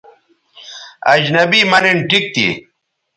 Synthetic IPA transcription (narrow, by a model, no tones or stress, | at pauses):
ɐ̰d͡ʑnɐbimɐneɳʈik̚t̪ḭ